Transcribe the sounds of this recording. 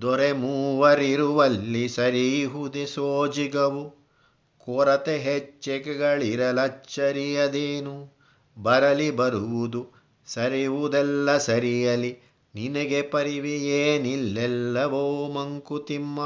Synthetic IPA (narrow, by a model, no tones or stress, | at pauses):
d̪ɔɾemuːʋɐɾiɾuʋɐlːisɐɾiɦud̪esoːd͡ʒiɡɐʋu | kɔɾɐt̪eɦet͡ʃːekɛɡɐɭiɾɐlɐt͡ʃːɐɾijɐd̪eːnu | bɐɾɐlibɐɾuʋud̪u | sɐɾiʋud̪ɛlːɐsɐɾijɐli | ninɐɡepɐɾiʋieːnilːɛlːɐʋoːmɐŋkut̪imːɐ